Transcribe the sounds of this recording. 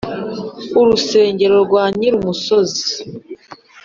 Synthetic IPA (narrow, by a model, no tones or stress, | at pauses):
uɾuse̞ːɲɟe̞ɾo̞ɾɡwaːɲiɾumuso̞zi̥